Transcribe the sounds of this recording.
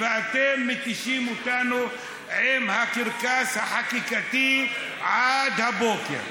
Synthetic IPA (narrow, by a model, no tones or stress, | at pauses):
ɾaːt̪emit̪iʃimuʈaːnu | eːmhakiɾkaːsaħakikɐt̪i | ad̪ʱɐboːkḛ